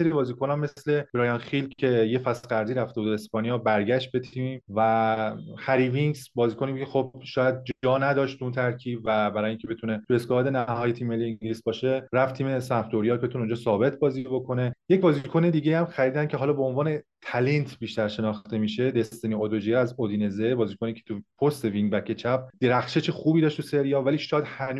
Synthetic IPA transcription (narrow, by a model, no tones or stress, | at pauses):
seɾibɒːziːkʰonæmːesle̞b̥ɾɒːjɒnxilkʰe̞jefæsɡæɾziːɾæft̪e̞bud̪espɒːnijɒːbæɾɟæʃt̪̚be̞t̪ʰimvæ | hæɾiviŋɡsbɒːziːkʰoniexobʃɒːjæd̪̚d͡ʒɒːnæd̪ɒːʃt̪ʰuunt̪ʰæɾcʰiːbvæbæɾɒːjeʔiːŋcʰe̞be̞t̪ʰune̞t̪ʰue̞skɒɒd̪enæhɒːjet̪ʰiːmːe̞lːijeŋɟilisbɒːʃe̞ɾæft̪ʰiːme̞sæft̪oɾijɒːlbeuneund͡ʒɒːsɒːbe̞t̪ʰbɒːzibo̞kʰo̞ne̞je̞cbɒːzikʰo̞ne̞d̪iːɟejæmxæɾiːd̪æncʰeɦɒːlɒːbeonvɒːne̞t̪ʰælent̪ʰbiːʃt̪æɾʃe̞nɒːxt̪e̞miːʃe̞d̪est̪eniod̪od͡ʒijeæzod̪iːnezebɒːziːkʰoniːcʰet̪ʰupʰost̪e̞viŋɡbækʰe̞t͡ʃʰæb̚d̪̥e̞ɾæxʃet͡ʃʰexuːbiːd̪ɒːʃt̪useɾijɒːvæliːʃɒjæd̪hænu